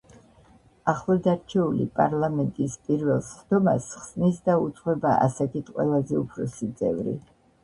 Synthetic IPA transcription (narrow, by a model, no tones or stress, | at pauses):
aχlˠɔd̪aɾt͡ʃʰɛulḭpʼa̰ɾlˠamɛnt̪ʼispʼiɾvɛlˠsχd̪ɔmasχsnisd̪aut̪sʼχwɛbaʔa̰sakʰit̪ʰqʼwɛ̰lˠazɛupʰɾɔsit̪sʼɛ̰vɾḭ